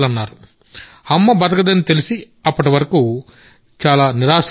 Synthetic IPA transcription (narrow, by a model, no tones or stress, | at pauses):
lɐnːaːɾu | ɐmːɐbɐd̪ɐɡɐd̪ɐnːit̪e̞lisi | ɐpːɐʈiʋɐɾɐku | t͡ʃaːlaːniɾaːs